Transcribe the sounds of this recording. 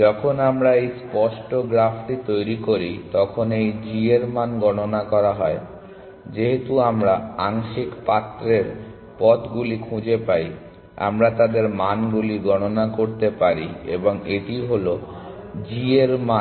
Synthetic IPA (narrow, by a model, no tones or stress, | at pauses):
d͡ʒɔkʰonamɾaejspɔʃʈoɡɾafʈit̪ojɾikoɾit̪ɔkʰonejd͡ʑieɾmanɡɔnonakɔɾaɦɔe | d͡ʑeɦet̪uamɾaaŋʃikpat̪ːɾeɾ | pɔt̪ɡulikʰũd͡ʑepaj | a̰mɾat̪ad̪eɾmanɡuliɡɔnonakoɾt̪epaɾḭḛboŋeʈijɦolo | d͡ʑieɾma